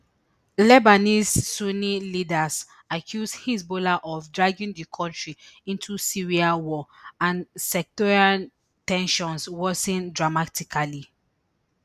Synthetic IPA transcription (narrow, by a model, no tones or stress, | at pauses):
lɛbanisːonilidas | akʰjusdhisbolaʔɔfdɹaɡĩŋdikʰɔ̃ntɹiĩntʰusiɹiawɔãnsɛk̚tɔɹian | tɛ̃nʃɔ̃nswɔsĩndɹamatikʰali